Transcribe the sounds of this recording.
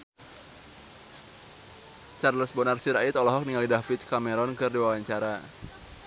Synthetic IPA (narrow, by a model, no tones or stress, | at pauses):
t͡ʃarləsbɔnarsiɾait̪ɔlɔɦɔk̚niŋalidafɪt̪̚kameɾɔnkɨrdiwawaɲt͡ʃaɾa